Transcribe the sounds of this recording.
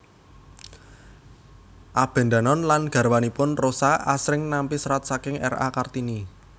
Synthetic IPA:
ʔab̥ɛ̤nd̪anɔnlanɡ̥a̤ɾwanipʊnrosaa̰sɾɪŋnampisɾat̪̚sakɪŋɛra̰kart̪ini

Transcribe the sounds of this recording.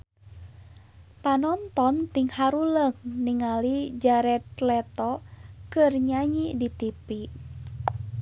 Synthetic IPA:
panɔnt̪ɔnt̪iŋhaɾuləŋniŋalid͡ʒaɾɛt̪lɛt̪ɔkɨrɲaɲidit̪ipi

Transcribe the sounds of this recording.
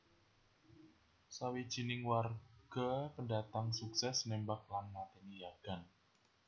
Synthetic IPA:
sawid̥ʒ̥i̤nɪŋwarɡ̥a̤pəndat̪aŋsuksɛsnembak̚lanːat̪enijaɡ̥a̤n

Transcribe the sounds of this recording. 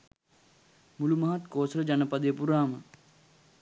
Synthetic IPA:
mulumaɦat̪koːsɾəd͡ʒanəpɐd̪ejəpuɾaːmə

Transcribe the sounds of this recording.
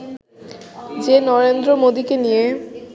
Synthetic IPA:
d͡ʑenɔɾend̪ɾomod̪ikenije

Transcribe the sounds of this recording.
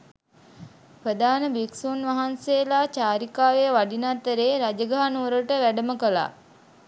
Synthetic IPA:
pɾəd̪aːnəbiksunʋaɦanseːlaːt͡ʃaːɾikaːʋejəʋaɖinat̪ːəɾeːɾad͡ʒəɡaɦanuʋəɾəʈəʋæɖəməkəla̰ː

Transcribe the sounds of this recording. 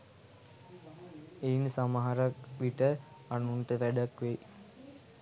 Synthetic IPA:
einsamaɦaɾɐkʋiʈəanuɳʈəʋæɖakʋe

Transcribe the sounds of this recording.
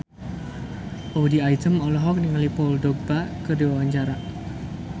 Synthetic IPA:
ʔowdiajt̪əmɔlɔɦɔk̚niŋalipɔldɔɡ̚bakədiwawaɲd͡ʒaɾa

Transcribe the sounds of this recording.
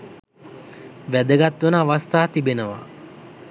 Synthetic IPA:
ʋæd̪əɡat̪ʋunəaʋast̪aːt̪ibenəʋa̰

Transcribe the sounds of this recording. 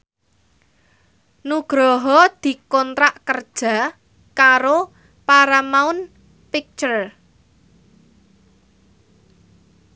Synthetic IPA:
nuɡ̥ɾɔɦɔd̪̥i̤kɔnt̪ɾaʔkərd̥ʒ̥a̤ | kaɾo | paɾamaʊn | pik̚t͡ʃər

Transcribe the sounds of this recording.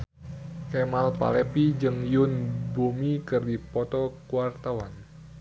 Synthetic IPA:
kemalpa̰lɛpid͡ʒɨŋjʊnbomikɨrdipɔt̪ɔkuwart̪awan

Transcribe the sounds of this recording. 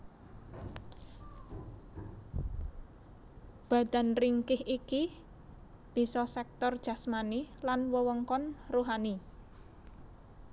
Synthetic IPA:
b̥a̤d̪̥a̤nriŋkɪhʔiki | b̥i̤sɔsɛk̚t̪ɔrd̥ʒ̥a̤smanilanwəwɔŋkɔnruɦani

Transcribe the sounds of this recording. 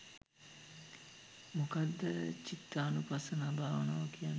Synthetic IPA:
mokad̪ːət͡ʃit̪ːaːnupasənabʱaːʋəna̰ːʋəkijanː

